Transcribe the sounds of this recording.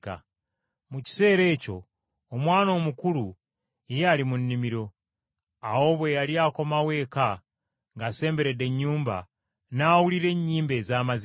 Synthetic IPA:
ka̰ | muci̥se̞ːɾe̞ːco̞ː | mwaːno̞ːmukulu | ijaːlimunːimiɾo̞ | awo̞ːβwe̞jaliako̞mawe̞ːka | ŋɡase̞ːmbe̞ɾe̞de̞ɲːuːmba̰ | naːwuliɾe̞ɲːiːmbe̞ːzaːmazi

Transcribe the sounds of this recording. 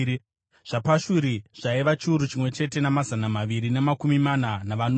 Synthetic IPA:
ʐ̥apaʃuɾiʐ̥aiʋat͡ʃiuɾut͡ʃimwe̞t͡ʃe̞te̞namazanamaʋiɾinemakumimananaʋano

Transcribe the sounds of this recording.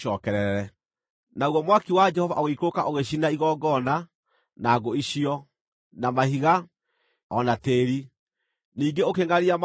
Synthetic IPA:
ɔːkɛɾɛɾɛ | nauɣɔmwakiwad͡ʒɛhɔvaʔoɣeikokaʔoɣeɕ̬inaiɣɔːɡɔna | naːɡoiɕiɔ | namahiɣa | ɔnateːɾi | niːŋɡeokeŋaɾiam

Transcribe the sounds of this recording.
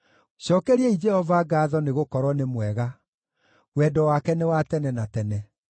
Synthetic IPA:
ɕɔkɛɾiɛid͡ʒɛhɔvaɡaːðɔneɣokɔɾɔnemwɛɣa | wɛdɔwakɛnewatɛnɛnatɛnɛ

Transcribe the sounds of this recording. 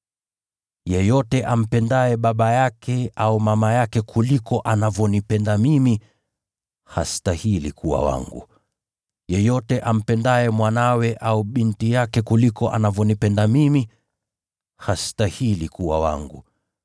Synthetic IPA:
jɛjɔtɛʔam̩pɛndaɛɓaɓajakʰɛaumamajakɛkʰulikɔʔanavjɔnipɛndamimi | hastahilikuwa̰wa̰ŋɡṵ | jɛjɔtɛʔam̩pɛndaɛmwanawɛʔauɓintijakɛkulikɔʔa̰navjɔnipɛndamimi | hastahilikuwa̰wa̰ŋɡṵ

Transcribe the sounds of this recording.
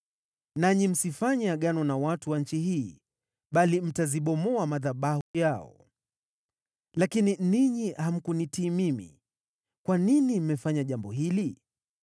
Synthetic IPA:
naɲim̩sifaɲɛaɠanɔnawatuwanɲ̩t͡ʃiɦiː | ɓalim̩taziɓɔmɔamaðaɓahujaɔ̰ | lakininiɲiham̩kunitiːmimḭ | kwaninim̩mɛfaɲaʄambɔɦili

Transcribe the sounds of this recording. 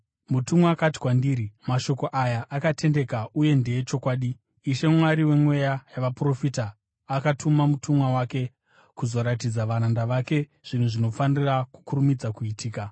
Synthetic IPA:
mutumaakati̥kwandiːɾimaʃo̞ko̞ʔajaʔakate̞nde̞kauje̞nde̞jet͡ʃo̞kwaːɗiː | ʃe̞mwaɾiwe̞mwe̞jajaʋapro̞fitaː | katʰumamutʰumwawake̞ | kuzo̞ɾatid͡zaʋaɾandaʋake̞ | ʐ̥in̤uʐino̞faniraku̥kurumid͡zakuitʰiːka

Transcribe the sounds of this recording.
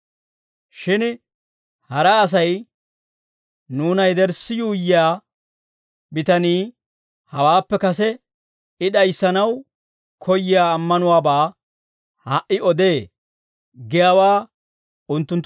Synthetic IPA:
ʃɪn | hɐɾɐːs̬ɐj | nuːnɐjd̪ɛɾsːɪjuːjːɪaː | bɪt̪ɐniː | hɐwaːpːɛkɐsɛ | ɪɗɐjsːɐnɐw | kʰɔjɪjaːmːɐnʊwaːbaː | haʔɪɔd̪eː | ɡɛjawaː | ʊnt̪ːʊnt̪ː

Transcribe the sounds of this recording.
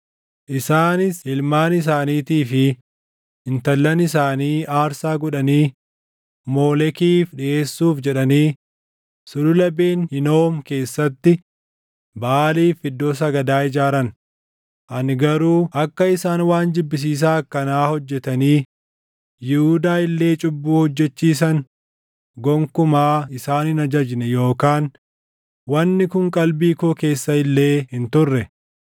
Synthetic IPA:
ʔɪsaːnɪsɪlmaːnɪs̬aːniːt̪iːfɪː | nt̪ɐlːɐnɪs̬aːniːʔaːɾsaːɡɔᶑɐniː | mo̞ːlɛkiːfᶑɪʔe̞ːsːuːfd͡ʒɛᶑɐniː | sʊlʊlɐbeːnhɪnoːmke̞ːsːɐt̪ːɪ | baːliːfɪd̪ːoːs̬ɐɡɐd̪aːɪd͡ʒaːɾɐn | ʔɐnɡɐɾuːʔɐkːɐɪsaːnwaːnd͡ʒ̪ɪbːɪs̬iːs̬aːɐkːɐnaːhɔd͡ʒːɛt̪ɐniː | jɪhʊd̪aːɪlːe̞ːt͡ʃʼʊbːuːhɔd͡ʒːɛt͡ʃːiːs̬ɐn | ɡɔŋkʊmaːɪsaːnɪnɐd͡ʒɐd͡ʒnɛjo̞ːkaːn | wɐnːɪkʊŋkʼɐlbiːkoːke̞ːsːɐɪlːe̞ːhɪnt̪ʊrːɛ

